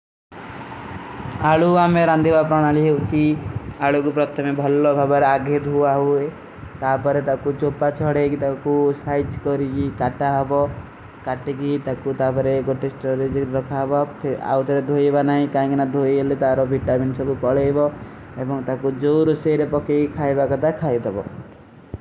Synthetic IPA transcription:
aɭuameɾand̪ibapɾɔɽ̃aliɦeut͡ʃʰiaɭukupɾɔt̪ʰɔmebʱɔlɔbʱabɔɾeaɡʱed̪ʱuaɦue | t̪apɔɾet̪akut͡ʃopat͡ʃʰɔɽekit̪akusajt͡ʃkɔɾikikaʈaɦɔbɔ | kaʈekit̪akut̪apɔɾeɡoʈesʈɔɾed͡ʒɾɔkʰaɦbapʰea̰wt̪ɔɾed̪ʱojebanaɦĩkaĩkinad̪ʱoeelet̪aɾɔbʱiʈaminsɔbupɔɭebɔ | ebɔŋt̪akud͡ʒowɾuseɾepɔkeikʰajbakɔt̪ʰakʰajd̪ʱebɔ

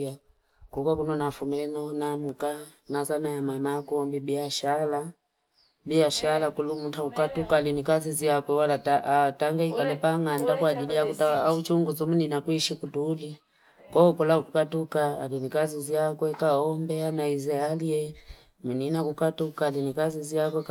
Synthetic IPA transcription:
a | kɔkakunɔnafumilɛnɔnamuka | nazanajamamakɔmbibiaʃala | biaʃalakulumuntakukatukalinikaziziakwɛwalataataŋɡaikalɛpaŋandakwaːd͡ʒilijakutaaut͡ʃuŋɡuzɔmuninakwiʃikutuli | kɔɔkɔlaukukatukaːlinikaziziakwɛkaɔmbɛanaizɛaliɛ | muninakukatukalinikaziziakwɛk

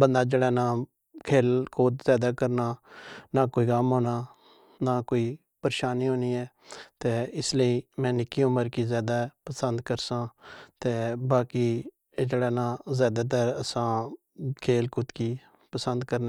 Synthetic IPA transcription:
bənd̪aːd͡ʒeːɽaːnãː | kʰeːlkʰoːt̪zjaːd̪aːkəɾnaːnaːkoːiːkəmɦoːnaː | naːkoːiː | pəɾeːʃaːniːɦoːniːɛː | t̪eːɪsləiːmɛ̃ːnɪkːiːõːməɾkiːzjaːd̪aːpəsənd̪kəɾsãːt̪eːbaːkiː | d͡ʒeːɽaːnãːzjaːd̪aːt̪̬əɾəsãː | kʰeːlkʊt̪kiː | pəsənd̪kəɾne

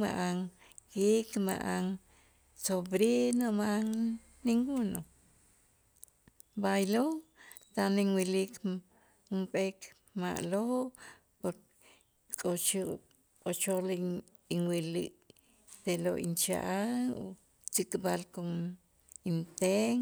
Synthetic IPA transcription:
ma̰ʔaŋ | kikma̰ʔaŋ | sobɾinomaʔaŋ | niŋɡuno | bajlot̪aniŋwilik | umpek | ma̰ʔloʔ | poɾ | kʼot͡ʃ | kʼot͡ʃoli | iŋwiliʔ | t̪eloʔint͡ʃa̰ʔaŋo̰ | t͡sikʼbalkom | int̪eŋ

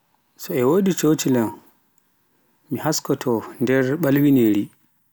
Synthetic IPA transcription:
sɔɛwoːdit͡ʃot͡ʃilam | mihaskɔtʰɔndɛɾɓalwineɾi

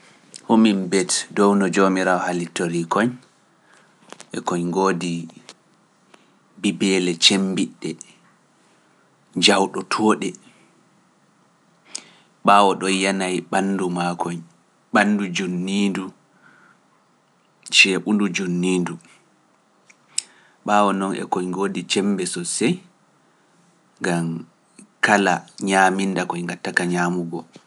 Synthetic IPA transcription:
homimbɛtdɔwnɔd͡ʒomiɾawɔhalitoɾikɔɲ | ʔɛ̰kɔɲɡoːdi | bibɛlɛt͡ʃembiɗːɛ | d͡ʒawɗɔtʰɔːɗɛ | ɓaːwɔɗɔjanajɓandumakʰɔɲ | ɓanːdud͡ʒunːiːndu | t͡ʃɛɓundud͡ʒunːiːndu | ɓawɔnɔnʔɛ̰kɔɲɡoːdit͡ʃɛmbɛsɔsɛj | ŋɡam | kalaɲaːminːdakɔɲŋɡatːakaɲaːmuɡɔ

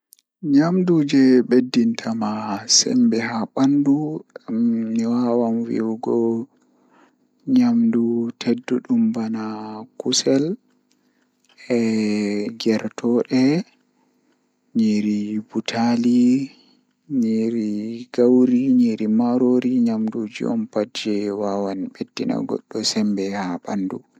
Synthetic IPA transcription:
ɲamdud͡ʒɛɓedːintʰamasɛ̰mbɛɦaɓandu | miwawanwḭwɡɔ | ɲamdutʰedːuɗumbanakusɛl | ɛ | ɡɛɾtʰɔɗɛ | ɲiɾibutʰali | ɲiɾiɡawɾiɲiɾimaɾoɾiɲamdud͡ʒḭɔ̰mpad͡ʒɛwawanɓedːina̰ɡɔ̰ɗːɔsɛmbɛhaɓandu

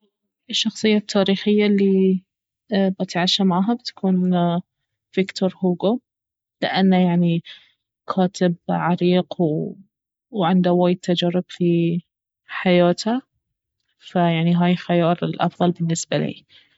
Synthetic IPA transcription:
ʔɪʃːɑxsˤɨjːat̪ʰːaːɾiːxɪjːalːi | bɪt̪ʕaːʃamaʕaːɦabɪt̪ḁkʰuːn | fɪkt̪oɾˤhuːɡo | lɪ̰ʔanːajaʕni | kʰaːt̪ɪbʕaɾiːqw | wʕɪnd̪awaːjɪd̪̚t̪ːad͡ʒaɾːɪbfi | ħajaːt̪a | fajaʕniɦaːjlxajɑːɾˤɪlʔɑ̰fðˤɑlbɪnːɪsbalḭː

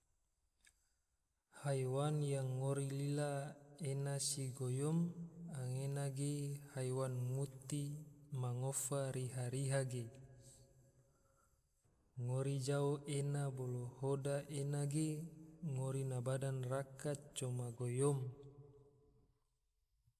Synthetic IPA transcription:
hajwanjaŋːoɾililaenasiɡojɔmaŋenaɡehajwanmut̪imaŋofaɾiɦaɾiɦaɡe | ŋoɾid͡ʒaoʔenabolohodaʔenaɡeŋoɾinabadanrakat̪̚t͡ʃomaɡojɔm

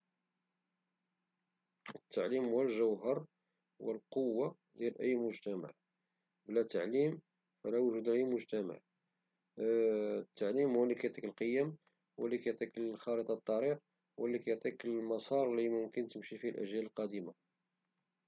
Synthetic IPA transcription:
ət̪ːaʕlimwælʒəwɦəɾˤ | wəlqowːa | d̪jælʔəjːmʊʒt̪æma̰ʕ | blæt̪ːaʕlim | fælæwəʒud̪lʔəjmʊʒt̪æma̰ʕ | t̪ːaʕlimhwəlːikæjt̪ˤikəlqəjːæm | wəlːikæjt̪ˤikəlxɑlət̪ˤɑt̪ˤːɑɾiq | wəlːikæjt̪ˤikəlmɑsˤɑɾˤlimʊmkənt̪əmʃifilʔæ̰ʒjæləlqɑd̪əma

